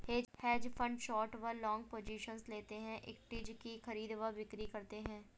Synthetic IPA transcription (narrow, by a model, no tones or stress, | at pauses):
heːhɛːd͡ʒpʰə̃ɳɖʃɔːɾʈʋəɾlɔ̃ːŋɡ̚poːd͡ʒiːʃənzleːt̪eɦɛ̃ʔɪ̰k̚ʈɪd͡ʒkixɐɾiːd̪ʋəbɪkɾikɐɾt̪eɦɛ̃ː